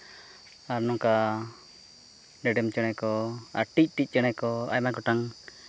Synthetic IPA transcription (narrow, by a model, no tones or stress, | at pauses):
aɾnɔŋka | ɖɛɖɛmt͡ʃəɽ̃ɛkɔaɾʈic̚ˀʈic̚ˀt͡ʃəɽ̃ɛkɔa̰jmakɔʈaŋ